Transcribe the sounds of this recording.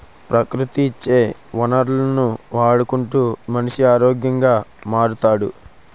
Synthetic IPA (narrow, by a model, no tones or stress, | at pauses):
pɾɐkɾut̪iːt͡ʃːe̞ːʋɐnɐɾlɐnuʋaːɽukuɳʈuːmɐniʂiaːɾoːɡjɐŋɡaːmaːɽut̪aːɽṵ